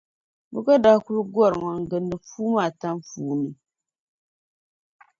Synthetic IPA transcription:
bɨ˦ɡa˦da˦ku˦lɡʷɔ˦˨ɾŋa˨ŋ̩˨ɡɨ˨nːɨ˨fuː˦maː˦˨ta˦mfuː˦nɨ˨

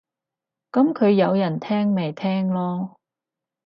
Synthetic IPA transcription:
kɐ˨˥mkʰɵ˨˧ɥjɐ˨˧wjɐ˨˩nt̪ʰɛː˥ŋme˨jt̪ʰɛː˥ŋlɔː˥

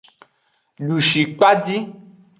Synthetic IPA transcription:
ɖu˨ʃi˨k͡pa˦d͡ʒi˦

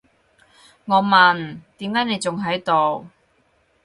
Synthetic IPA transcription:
ŋɔː˨˧mɐ˨nt̪iː˨˥mkaː˨˥jne˨˧jt͡sʊ˨ŋɦɐ˨˥jt̪o˨w

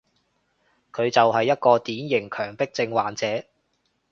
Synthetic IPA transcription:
kʰɵ˨˧ɥt͡sɐ˨wɦɐ˨jːɐ˥t̚kɔː˧t̪iː˨˥njɪ˨˩ŋkʰœː˨˩ŋpɪ˥k̚t͡sɪ˧ŋwaː˨nt͡sɛː˨˥

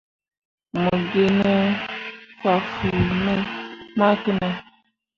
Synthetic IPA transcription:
mə˨ɡe˦nə˦ | fwa˨fu˨nə˦ma˦kə˦na˦

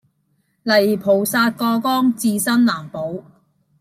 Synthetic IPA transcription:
lɐ˨˩jpʰo˨˩wsaː˧t̚kɔː˧kɔː˥ŋt͡siː˧sɐ˥nlaː˨˩mpo˨˧w

